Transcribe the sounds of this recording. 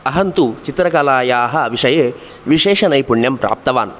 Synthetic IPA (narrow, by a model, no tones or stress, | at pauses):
ɐɦɐnt̪ut͡ʃit̪ɾɐkɐlaːjaːɦɐʋiʂɐjeː | ʋiʂɛːʂɐnɐjpuɳjɐmpɾa̰ːp̚t̪ɐʋaːn